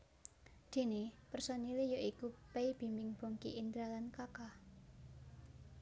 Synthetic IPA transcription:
d̪̥e̤nepərsɔnilijoʔikupeib̥i̤mbɪŋb̥o̤ŋkḭʔind̪ɾalankaka

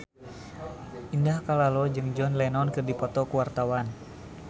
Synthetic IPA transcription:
ʔindahkalalɔd͡ʒɨŋd͡ʒɔnlɛnɔnkɨrdipɔt̪ɔkuwart̪awan

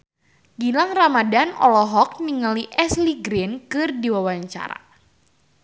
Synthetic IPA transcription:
ɡilaŋramadanɔ̰lɔɦɔk̚niŋaliʔɛsliɡɾɪnkɨrdiwawaɲt͡ʃa̰ɾa̰

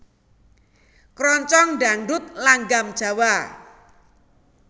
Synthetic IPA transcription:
kɾɔɲt͡ʃɔŋɖa̤ŋɖʊt̪̚laŋɡamd̥ʒ̥a̤wa

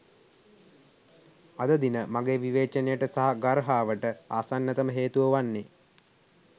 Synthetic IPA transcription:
ad̪əd̪inəmaɡeːʋiʋeːt͡ʃənejəʈəsaɦaɡaɾɦaːʋəʈəaːsanːət̪əməɦeːt̪uʋəʋanːe

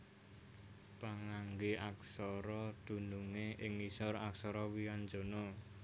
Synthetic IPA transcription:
paŋaŋɡeʔaksɔɾɔd̪̥ṳnuŋeʔɪŋisɔraksɔɾɔwiand͡ʒo̤no

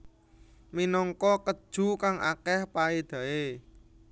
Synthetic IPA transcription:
minɔŋkɔkəd̥ʒ̥ṳkaŋʔa̰kɛhpaed̪̥ä̤e

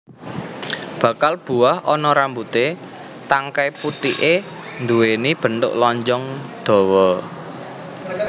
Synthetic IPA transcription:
b̥ä̤kalb̥ṳahɔnɔɾambut̪e | t̪aŋkajput̪iʔend̪uwenib̥ə̤nt̪ʊ̰ʔlɔɲd͡ʒɔŋd̪̥ɔ̤wɔ

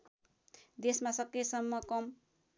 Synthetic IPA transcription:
d̪esmasʌkːesʌmːʌkʌm

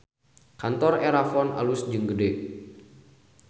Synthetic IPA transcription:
kant̪ɔreɾafɔnʔa̰lusd͡ʒəŋɡədɛʔ̚

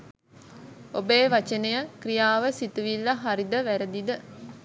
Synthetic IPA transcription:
o̰beːʋat͡ʃənejəkrijaːʋəsit̪uʋilːaɦaɾid̪əʋæɾəd̪id̪ə

